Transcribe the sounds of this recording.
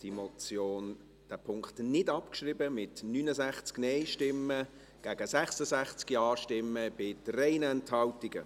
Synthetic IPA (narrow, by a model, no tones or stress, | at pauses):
d̥imɔt͡sjoːn | d̥æːpʰʊŋkχtnɪdɑpkʃribəmɪtnyːnəzæχt͡sknɛɪʃtɪmːə | ɡ̥æːɡ̥əsɛχsəzæχt͡skiɑːʃtɪmːəb̥ɪdrɛɪnɛnthɑltɪɡə